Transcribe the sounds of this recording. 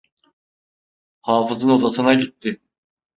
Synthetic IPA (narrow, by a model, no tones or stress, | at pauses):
haːfɯzɯno̞d̪asɯnaɟit̪ːɪ